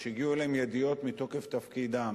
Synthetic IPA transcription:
ʃeiɡiueleemjed̪ijo̞t̪mit̪o̞ke̞ft̪afkid̪am

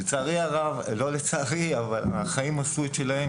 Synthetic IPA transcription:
et͡saːʁiaʁavlo̞let͡saːʁiavalaχaimasuet̪ʃe̞lahem

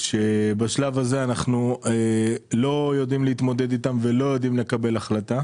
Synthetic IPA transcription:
ʃe̞baʃlavaze̞anaχnuelo̞jo̞d̪imlehit̪mo̞d̪e̞d̪it̪amve̞lo̞jo̞d̪imle̞kabe̞laχlata

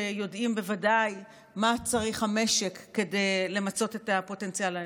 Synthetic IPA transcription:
ejo̞dimbe̞vadaj | mat͡saʁiχhame̞ʃe̞kːe̞de̞jle̞mat͡so̞te̞tapo̞te̞nt͡siala

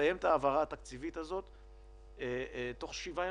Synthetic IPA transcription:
ajemt̪aːvaʁaːt̪akt͡sivit̪azo̞t̪ | et̪o̞χʃiva

